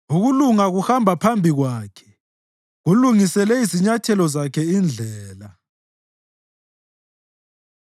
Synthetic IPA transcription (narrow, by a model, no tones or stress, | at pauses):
uɣuluŋaɣuhambʱapʰambʱiɣwaːkʰɛ̥ | ɣuluŋisɛlɛiziɲatʰɛlɔzakʰɛind͡ɮʱɛːla